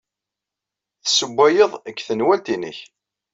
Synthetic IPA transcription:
θəsəbʷːæjəðˤəkːθənwælt̪inə̰ç

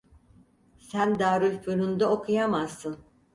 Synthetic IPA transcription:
sænd̪aːɾulfuɾund̪aokʰujamazːɯn

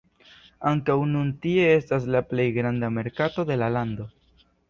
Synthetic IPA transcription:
aŋkawnuntie̞e̞stas̬laple̞jɡɾandame̞ɾkato̞de̞lalando̞

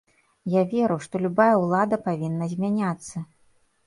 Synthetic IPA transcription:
javʲɛɾɨwʂt̪ɔlʲubajɐwlˠad̪ɐpavʲinːɐzʲmʲanʲat̪sːɐ

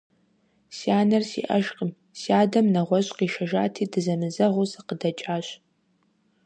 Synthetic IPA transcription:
siaːnɐrsḭʔɐʒqʼəm | siaːdɐmnɐʁʷɔɕʼqiːʃɐʒa̰ːtʰiːdɨzɐmɨzɐʁʷʊsɐqədɐt͡ʃʼaːɕ

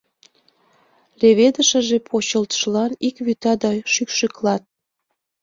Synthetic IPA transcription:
leβed̪əʃə̆ʒepʰot͡ɕəlt̪ə̥ʃlɑnikβyt̪ɑd̪ɑʃykʃyklɑt̪̚

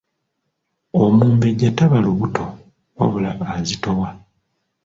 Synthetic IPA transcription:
omuːmbeɟatːaβaloβutʰo̞ | o̰βula̰ʔːzito̞wa

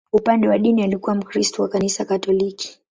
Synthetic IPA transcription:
upandɛwaɗinialikuwam̩kɾistɔwakanisakatɔliki̥

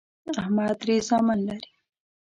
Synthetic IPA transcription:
ahmaːt̪ɾizaːmanlaɾi

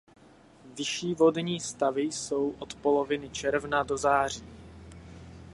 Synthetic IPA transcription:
vɪʃiːvo̞dɲiːst̪avɪjso̞wʔot̪polovɪnɪt͡ʃɛɾvnado̞zaːr̝iː

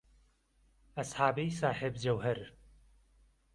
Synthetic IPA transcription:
ɐsħaːbijsaːħebd͡ʒɐwɦɐɾ

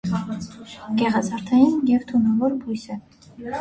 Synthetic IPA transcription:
ɡ̥ɛʁɑzɑɾt̪ʰɑjinjɛvt̪ʰunɑvɔɾbujsɛ

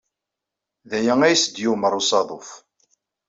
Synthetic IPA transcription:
ðæjæŋæjsəd̪juməɾˤusɑðˤof

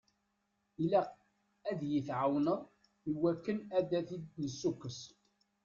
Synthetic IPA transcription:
ilæ | æðjəθʕawnəð | iwækːənæd̪æθid̪nəsːukːəs

